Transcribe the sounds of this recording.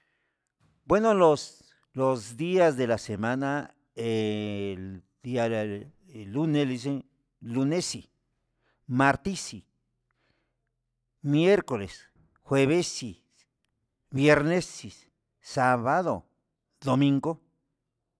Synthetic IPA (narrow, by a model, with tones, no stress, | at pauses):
bwe˦nolos | lozd̪iazd̪e˨lase˨ma˦na˦ | el | d̪i˦a | lu˦ne˦li˧s̬e˦n | lu˧ne˦si˨ | maɾt̪i˦si˨ | mje˦ɾko˨le˨s | xweβe˦si | βjeɾne˦si˨s | saβaðo̰˨ | d̪o˨mĩ˦ŋɡo˦